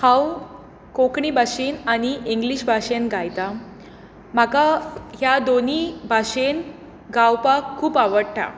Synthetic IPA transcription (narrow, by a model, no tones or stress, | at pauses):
hãw | kokɳiːbʱaɕiːnaɽ̃iʔiŋɡliɕbʱaɕenɡʱajt̪a | makaɦjad̪onibʱaɕen | ɡawpakkʰːuːpaʋəɽʈʰa̰